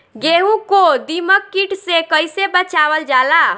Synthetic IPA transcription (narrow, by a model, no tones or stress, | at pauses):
ɡeɦũkod̪iməkːiʈsekəjsebət͡ʃaʋəld͡ʒala